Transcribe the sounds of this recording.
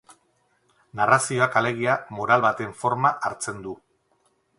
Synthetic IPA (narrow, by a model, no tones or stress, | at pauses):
narasio̞akale̞ɣ̞iamo̞ɾalβat̪e̞ɱfo̞ɾmaʔaɾt͡se̞nd̪u